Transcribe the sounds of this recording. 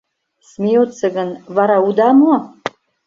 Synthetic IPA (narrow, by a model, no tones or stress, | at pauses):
smʲeot̪sə̆ɣə̆nvɑɾɑud̪ɑmoɑ